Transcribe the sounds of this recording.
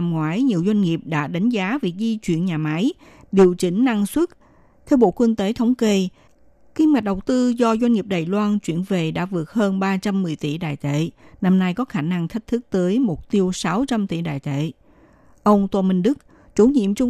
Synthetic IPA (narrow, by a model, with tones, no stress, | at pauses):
mŋwaː˨˦jɲi˨˩əwzwa˧jŋ̟ŋi˨˩əp̚ɗa̰ː˧˥ɗa˨˦jŋ̟zaː˨˦vi˨˩ək̚zi˧t͡ɕwḭ˧˨ənɲaː˨˩ma˨˦j | ɗi˨˩əwt͡ɕï˨˩˦ŋ̟na˧ŋswə˦˥t̚ | t̪ʰɛ˧wɓo̰˧˨kwi˧ŋt̪e˨˦t̪ʰə˨˦wŋ͡mke˧ | ki˧mwa˨˩k̟̚ɗə˨˩wt̪ɨ˧zɔ˧zwa˧jŋ̟ŋi˨˩əp̚ɗaː˨˩jlwaː˧nt͡ɕwḭ˧˩˨ənve˨˩ɗa̰ː˧˥vɨ˨˩ək̚həː˧nɓaː˧t͡ɕa˧mːɨ˨˩əjt̪ḭ˧˨ɗa̰ː˧˨jt̪ḛ˧˨na˧mna˧jkɔ˨˦xaː˧˩na˧ŋt̪ʰi˦˥k̟̚t̪ʰɨ˦˥k̚t̪əː˨˦jmo˨˩t̚t̪i˧əwsa˨˦wt͡ɕa˧mt̪ḭ˧˨ɗa̰ː˧˨jt̪ḛ˧˨ | ʔə˧wŋ͡mt̪waː˧mï˧ŋ̟ɗɨ˦˥k̚ | t͡ɕu˧˦ɲḭ˧˨əmt͡ɕʊ˧ŋ͡m